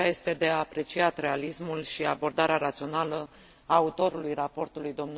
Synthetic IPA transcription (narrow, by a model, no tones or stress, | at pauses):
aje̞st̪e̞d̪e̞aːpɾe̞t͡ʃiat̪ɾe̞alismulʃiabo̞rd̪aɾeaɾat̪sio̞nalə | aut̪o̞ɾulujrapo̞rt̪ulujd̪o̞mnu